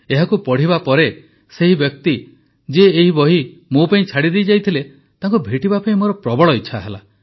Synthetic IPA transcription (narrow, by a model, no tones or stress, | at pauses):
eɦakupɔɽ̤ibapɔɾe | seɦibjɔk̚t̪i | d͡ʒeːɦibɔɦi | mopaĩt͡ʃʰaɽid̪ejd͡ʒajt̪ʰile | t̪aŋkubʱeʈibapaĩmoɾɔpɾɔbɔɭɔit͡ʃʰaɦela̰